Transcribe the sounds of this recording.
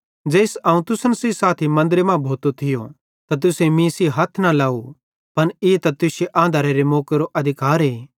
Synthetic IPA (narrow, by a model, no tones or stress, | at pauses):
d͡ʒeːsɐːũt̪ʊsənsesaːt̪ʰimɐ̃nd̪ɾemãbʱoːt̪ot̪ʰɪjo | t̪at̪̬ʊsemĩːsiɦɐt̪ʰnalaːu | pɐnɪt̪at̪ʊseʔãːnd̪ʱaːɾeɾemoːkeɾoʔɐd̪ʱɪkaːɾɦeː